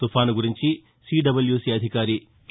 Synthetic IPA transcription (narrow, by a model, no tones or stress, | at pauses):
t̪upʰaːnuɡuɾiɲt͡ʃi | siːɖɐbɐljuːsiːɐd̪ʱikaːɾi | k